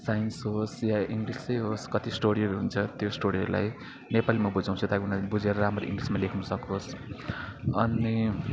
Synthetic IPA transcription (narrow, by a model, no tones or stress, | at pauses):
sajinsɦosjaiŋɡlist͡sʌjɦoskʌt̪isʈoɽiʌɾuɦunt͡sʰʌt̪josʈoɽiʌɾula̰j | nepalimʌbud͡zaw̃t͡sʰut̪aunabud͡zeɾʌɾamrʌḭŋɡlismalekʰunusʌkos | ʌni